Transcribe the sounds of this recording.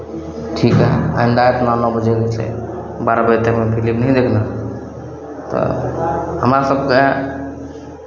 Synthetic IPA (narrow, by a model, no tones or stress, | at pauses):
ʈʰikɦɛ̰a̰ind̪aet̪nanɔbəd͡ʒɛɡət͡ʃʰɛ̰ | baɾabət̪emepʰilipnəɦĩd̪ekʰna | t̪ɔ̰ | ɦəmɾasəb̚ke